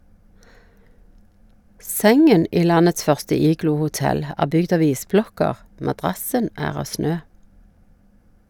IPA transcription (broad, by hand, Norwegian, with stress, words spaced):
ˈsɛŋən ˈiː ˈlɑnəts ˈfœʁstə ˈiːɡluːhʊˌtɛl ˈæː ˈbʏɡd ˈɑʋ ˈiːsˌblɔkəʁ mɑˈdʁɑsən ˈæːʁ ˈɑː ˈsnøː